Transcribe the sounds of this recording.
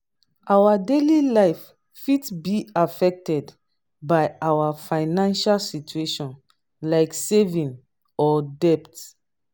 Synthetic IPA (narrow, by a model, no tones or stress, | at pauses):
ʔawadelilaɪfː | itbiafɛk̚tɛd | bajawafaɪnãnʃalsit͡ʃueʃɔ̃n | laɪksevĩn | ɔdɛpt